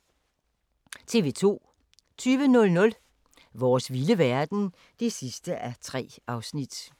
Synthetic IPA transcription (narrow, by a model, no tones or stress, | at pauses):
t͡sʰe̝ːʋe̝ːt͡sʰo̝̰ː | t͡sʰyːʋənɔ̽lnɔ̽l | ʋɒːsʋiləʋæɐd̥n̩ | d̥e̝sisd̥əʔæt͡sʰʁɛ̰ː | ɑ̈ʊsnid̥